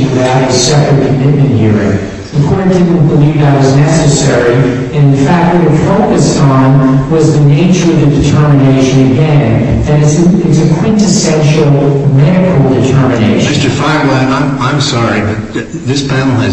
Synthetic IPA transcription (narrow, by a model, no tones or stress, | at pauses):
wɨðaʊɾ̚ɨ̥sɛpɹɨd̚kʰəmɪt̚mɨ̃nhɪɹɨɪ̰̃n | ðɨkʰɔɹ̚d̥ɪdⁿn̩b̥əlivðɨt̚wʌznɛsɨsɛɹi | ɨ̃nɨ̃nfæk̚t̚wʌt̚wɨd̥foʊkɨstn̩wʌzðɨneɪt͡ʃə˞ʌvðɨdɨtʰɜ˞mɨneɪʃɨ̃nɨɡɛ̃n | ðɨ̃ɾɨtsɪsɨkʰw̥ɪ̃ntɨsɛ̃nʃl̩ˠmɛɾɨkʰl̩ˠdɨtʰɜ˞mɨneɪʃmɪstə˞faɪwãɪnãɪ̃ãɪ̃msɑɹibʌt̚ | ðɪsb̥æɾl̩ˠɨ